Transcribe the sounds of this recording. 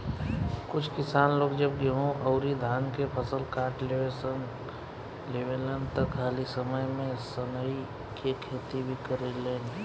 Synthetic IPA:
kʊt͡ʃʰkɪsaːnloːɡd͡ʒəbɡeɦõʔɔʊɾid̪ʱaːnkepʰəsəlkaːɾʈleʋesən | leʋelənt̪əkʰaːlisəməjmẽsənəi | kekʰeːt̪ibʱikəɾeleːn

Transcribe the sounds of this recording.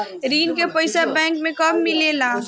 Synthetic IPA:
ɾiːnkepəɪsabɛ̃ːŋk̚mẽkəmːilela

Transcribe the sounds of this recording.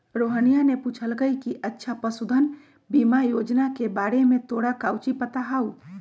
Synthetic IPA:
ɾoɦənijaneput͡ʃʰəlkəikiʔətːʃʰapəsud̪ʱən | bimajod͡ʒnakebaɾemẽt̪oɽakawt͡ʃipət̪aɦau

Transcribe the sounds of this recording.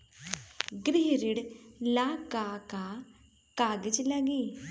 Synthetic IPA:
ɡɾɪɦɾɪɽlaːkaːka | kaːɡəd͡ʒləɡiː

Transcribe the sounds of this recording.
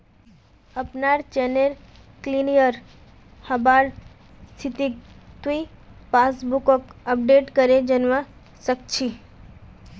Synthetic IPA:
əpnaɾt͡ʃɛnel | klinijəɾ | həbaɾ | st̪ʰit̪it̪uipasbukɔkəp̚ɖeʈkəɾed͡ʒənʋa | sək̚t͡ʃʰi

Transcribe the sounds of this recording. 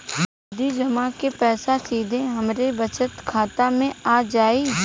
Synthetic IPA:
d̪id͡ʒɐmakepɛːsasiːd̪ʱẽɦɐmɾebət͡ʃət̪kʰaːt̪amẽaːd͡ʒaːiː

